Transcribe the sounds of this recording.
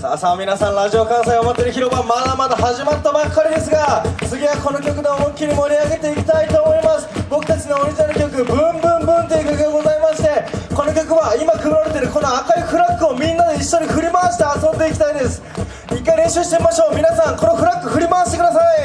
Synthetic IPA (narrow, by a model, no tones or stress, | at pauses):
saːsaːmʲinasãnɾaʑio̞kãɰ̃saiomat̪ːeɾɯ̟çʲiɾo̞bamad̪amad̪aɦaʑimat̪ːobakːaɾʲid̪e̞sɨɡasɨɡʲiβako̞no̞kʲo̞kɯ̟d̪e̞momokʲːiɾʲimo̞ɾʲiaɡe̞t̪e̞ikʲi̥t̪ait̪o̞ːmo̞imasɨ̥bo̞kɯ̟t̪at͡ɕino̞ːɾʲiʑinaɾɯ̟kʲo̞kɯ̟bɯ̃mbɯ̟̃mbɯ̟̃nt̪eiɯkʲakɯɯɡ̪eɡo̞zaimaɕi̥t̪e̞ko̞no̞kʲo̞kɯ̟βaimakɯ̟bɯɾaɾe̞t̪e̞ɾɯ̟ko̞no̞akaiɸɯ̟ɾakːɯ̟omʲĩnːad̪e̞iɕːo̞ɲ̟iɸɯ̟ɾʲimaɕi̥t̪e̞asõ̞nd̪e̞ikʲi̥t̪aid̪e̞sɨ̥ | ikːaiɾẽ̞ɕɨːɕi̥t̪e̞imaɕo̞ːmʲinasãŋko̞no̞ɸɯ̟ɾakːɯ̟ɸɯ̟ɾʲimaːɕi̥t̪e̞kɯd̪asai